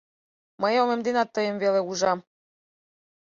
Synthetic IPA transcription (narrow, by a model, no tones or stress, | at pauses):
məjomemd̪enɑt̪ːɤjə̆mveleuʒɑm